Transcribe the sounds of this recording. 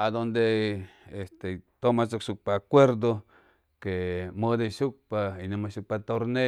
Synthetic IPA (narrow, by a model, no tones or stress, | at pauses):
ad̪ond̪eest̪et̪omasokʃuk̚paːkʷeɾd̪o | kemod̪eʃuk̚painamaʃuk̚pat̪oɾne